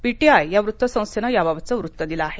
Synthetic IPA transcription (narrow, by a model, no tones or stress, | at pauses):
piʈiajːjaʋɾut̪ːʋəsə̃w̃st̪ʰenajaʋaʋt͡səʋɾut̪ːəd̪ilaːɦe